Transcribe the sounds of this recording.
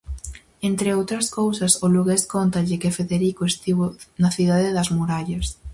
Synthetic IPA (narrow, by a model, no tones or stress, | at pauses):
ent̪ɾeowt̪ɾɐskowsɐsoluɣeskont̪ɐʎɪkɪfeðeɾikoest̪iβonɐθiðaðɪðɐzmuɾaʎɐs